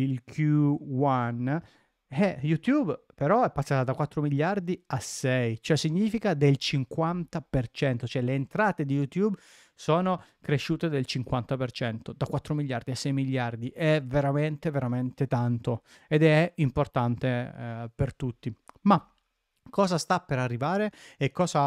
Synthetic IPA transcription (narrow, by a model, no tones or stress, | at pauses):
ilkʰjuwan | ɛjut̪jubpeɾɔɛpːasːaːt̪ad̪akwat̪ːɾomiʎːard̪iasːɛjt͡ʃoɛsiɲːiːfikad̪elt͡ʃiŋkwant̪apert͡ʃɛnt̪ot͡ʃoɛleːnt̪ɾaːt̪ed̪ijut̪jub | soːno | kɾeʃːuːt̪ed̪elt͡ʃiŋkʷwant̪apert͡ʃɛnt̪od̪akwat̪ːɾomiʎːard̪iasːɛjmiʎːard̪iʔɛveɾament̪eveɾament̪et̪ant̪o | ed̪ɛimport̪ant̪epert̪ut̪ːima | kʰːɔːzast̪apːeɾarːivaːɾeekːɔːza